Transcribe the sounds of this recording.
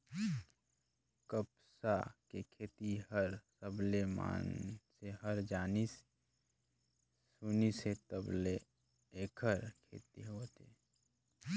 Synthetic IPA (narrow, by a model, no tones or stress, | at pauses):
kəpsakekʰeːt̪iɦəɾsəblema̰ːnseɦəɾd͡ʒaːnis | suniset̪əble | eːkʰəɾkʰḛːt̪iɦoːt̪ḛ